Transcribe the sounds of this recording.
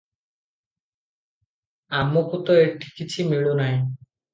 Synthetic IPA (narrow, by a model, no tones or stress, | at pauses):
amokut̪oeʈʰi̥kit͡ɕʰimiɭunaj